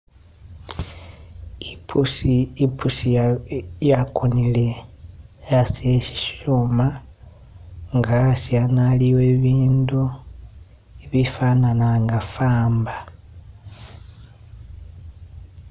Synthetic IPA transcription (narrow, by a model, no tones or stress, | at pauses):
ipusiipʰusi | jakonile̞ | jaseʃi̥ʃuma | ŋɡasjanaliweːβiːndu | iβifananaŋɡafaːmba